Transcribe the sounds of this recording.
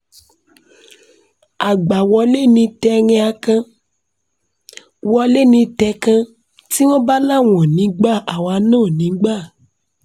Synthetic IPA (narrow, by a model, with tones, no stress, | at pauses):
a˨ɡ͡ba˨wɔ˧˦le˦nĩ˧tɛ˧ŋɛ̃˧a˧kã˧ | wɔ˧le˦nĩ˧tɛ˧kã˧ | ti˦w̃ɔ̃˦ba˦la˦˨w̃ɔ̃˨nĩ˨˦ɡ͡ba˦˨a˨wa˧˦nãː˦˨nĩ˨˦ɡ͡ba˦˨